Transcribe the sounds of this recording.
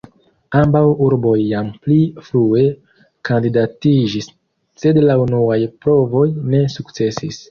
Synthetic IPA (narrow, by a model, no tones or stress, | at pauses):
ambawuɾbo̞jːamplifɾue̞ | kʰandidatid͡ʒis | se̞dlaunuajpɾo̞vo̞jne̞sukt͡se̞sis